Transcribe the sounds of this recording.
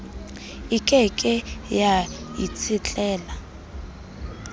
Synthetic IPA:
ɪkʼɛkʼɪjajḭt͡sʰɪt͡ɬʼɛːla

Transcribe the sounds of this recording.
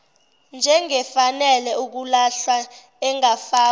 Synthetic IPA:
nd͡ʒʱɛŋɛfanɛlɛuk̬ulaɬa | ɛŋafaː

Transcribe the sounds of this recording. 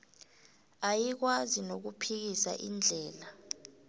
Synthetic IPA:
ajik̬wazinok̬upʰik̬isa̰ʔind͡ɮʱɛːla

